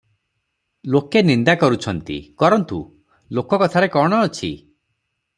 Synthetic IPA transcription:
lokenind̪akɔɾut͡ʃʰɔnt̪ḭkɔɾɔnt̪u | lokɔkɔt̪ʰaɾekɔɽ̃ɔːt͡ʃʰi

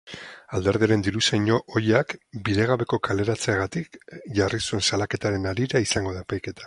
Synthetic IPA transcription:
ald̪e̞ɾðiaɾe̞nd̪iɾusajɲo̞ʔojakbiɾe̞ɣ̞aβe̞ko̞kʰale̞ɾat͡seeɣat̪ikʝarisue̞nsalake̞t̪aɾe̞naɾiɾaisaŋɡo̞ð̞aepajke̞t̪ʰḁ

